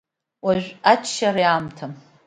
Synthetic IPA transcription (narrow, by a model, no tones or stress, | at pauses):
waʒᶣʷat͡ʃʰʃaɾijaːmtʰam